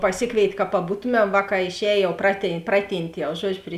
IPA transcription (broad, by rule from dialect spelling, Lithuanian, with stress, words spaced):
pɐˈsʲɪkʋʲeːɪtʲ kɐ pɐˈbuːtʊmʲɛm ˈʋɑːˌkɑː ɪʃʲˈɛːj ˈjɛʊ prɐtʲiː ˈprɑːˌtʲiːnʲtʲ jɛʊ ˈʒuɔd͡ʒʲʊ pʲrʲɪ